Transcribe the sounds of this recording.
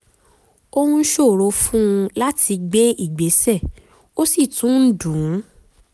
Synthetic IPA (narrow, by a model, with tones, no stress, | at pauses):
o˧hũ˧˦ʃo˦˨ɾo˨˧fũ˦ũ˧la˦tʰi˧ɡ͡be˦i˦˨ɡ͡be˨˦sɛ˦˨ | o˦si˦˨tũ˨˦n̩˦dũ˨˦˨